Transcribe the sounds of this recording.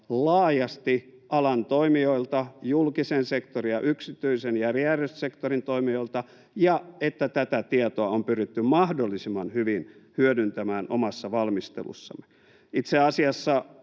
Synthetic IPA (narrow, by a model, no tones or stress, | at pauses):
lɑːjɑst̪iʔɑlɑnt̪oimioilt̪ɑjulkisensekt̪orijɑʔyksit̪yisenjæriæryssekt̪orint̪oimioilt̪ɑ | jɑet̪ːæt̪æt̪æt̪iɑt̪oɑompyrit̪ːymmɑhdolːisimːɑnhyʋinhyødynt̪æmæːnʔo̰mɑsːɑʋɑlmist̪ḛlṵsːɑ̰mːˑe̥ | it̪seɑsiɑsːɑ